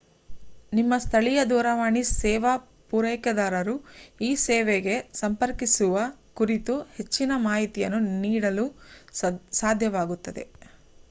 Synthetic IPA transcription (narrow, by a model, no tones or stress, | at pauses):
nimːɐst̪ʰɐɭijɐd̪uːɾɐʋaːɳisɛːʋɐ | puːɾɐjkɐd̪aːɾɐɾuiːsɛːʋeɡe̞sɐmpɐɾkisuʋɐkuɾit̪uhe̞t͡ʃːinɐmaːɦit̪ijɐ̰nːuniːɽɐlu | saːd̪ʱjɐʋaːɡut̪ːɐd̪ḛ